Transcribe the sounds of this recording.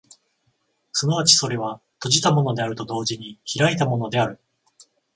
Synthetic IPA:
sɨnaβ̞at͡ɕi̥so̞ɾe̞β̞a | t̪o̞ʑit̪amo̞no̞d̪e̞aɾɯ̟t̪o̞d̪o̞ːʑiɲ̟içiɾait̪amo̞no̞d̪e̞aɾɯ̟

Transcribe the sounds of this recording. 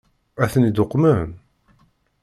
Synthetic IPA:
æθənid̪ʊqːmən

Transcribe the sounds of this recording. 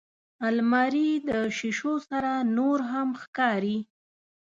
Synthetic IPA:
almɑɾid̪əʃiʃosaɾanoɾɦamxkɑɾi

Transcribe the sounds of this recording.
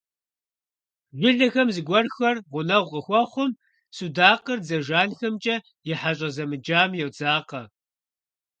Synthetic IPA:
ʒʷɪɮɐxɐmzɨɡʷɐrxɐrʁʷʊnɐwʷqəxʷɔχʷʊm | sudaːqərd͡zɐʒaːnxɐmt͡ʃʼɐ | jɪħaɕʼɐzɐmɨd͡ʒaːmjɛwd͡zaːqɐ

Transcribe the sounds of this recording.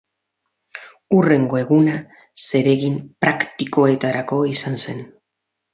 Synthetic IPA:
ure̞ŋɡoe̞ɣuna | se̞ɾe̞ɣimpɾakt̪iko̞e̞t̪aɾako̞isanse̞n

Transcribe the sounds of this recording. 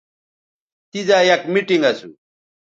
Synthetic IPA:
t̪izaːjɐkmiʈiŋɡɐsṵ

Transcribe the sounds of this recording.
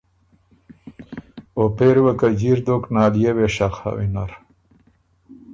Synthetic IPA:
opeɾwakad͡ʑiɾd̪oknaːljeweʂaqa̰winaɾ

